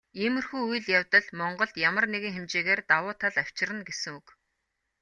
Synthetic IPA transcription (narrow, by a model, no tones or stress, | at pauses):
emɵ̆rxuːuj̆ɮjawt̪ə̆ɮmɔɴɢɞ̆ɮt̪jamə̆rneɣɘ̆ŋxemt͡ɕeːɣeːrt̪awʊːt̪ʰaɮaw̥t͡ɕɪ̆rə̆nɡesɘ̆ŋuk